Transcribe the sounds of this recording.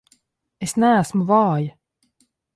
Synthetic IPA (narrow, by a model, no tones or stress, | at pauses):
ɛsnæːsmuvɑːj